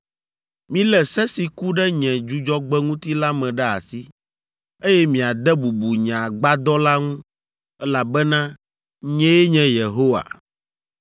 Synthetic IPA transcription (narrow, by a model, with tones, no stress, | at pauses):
mĩ˦lɛ˨sɛ˦si˨ku˦ɖɛ˦ɲɛ̃˨d͡ʒu˦d͡ʒɔ˦ɡ͡bɛ˦ŋũ˦t̪i˦la˦mɛ̃˨ɖɛ˦a̰˨si˦ | e˦jɛ˦mĩ˨a˨d̪ɛ˦bu˨bu˨ɲã˨ɡ͡ba˦d̪ɔ˦la˦ŋũ˦ | ɛ˦la˨bɛ˦nã˦ | ɲɛ̃˦jɛ˦ɲɛ̃˨je˨ɦo˦wa̰˨